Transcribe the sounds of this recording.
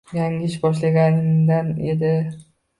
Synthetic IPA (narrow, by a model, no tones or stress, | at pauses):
jaŋɪʃbɒʃlaɡʲanɪŋd̪ane̞d̪ɪ